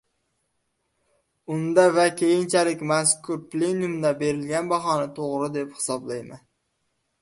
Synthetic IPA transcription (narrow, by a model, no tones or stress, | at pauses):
ʊnd̪avakʲʰe̞jɪnt͡ʃʰalɪkʲmaskʰʊɾple̞njumd̪abe̞ɾɪlɡʲanbaχɒnat̪ʰoʁɾɪd̪e̞phɪ̥sɒblajman